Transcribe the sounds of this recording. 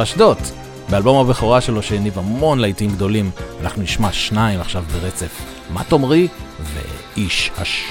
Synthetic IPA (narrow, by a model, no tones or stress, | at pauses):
aʃdo̞t | bealbo̞maveχoʁaʃe̞lo̞ʃeːnivamo̞nlajtiimɡdo̞limana̰χnuniʃmaʃnaimaχʃavbeʁet͡se̞f | ma̰to̞mʁivḛ | iʃha̰ʃ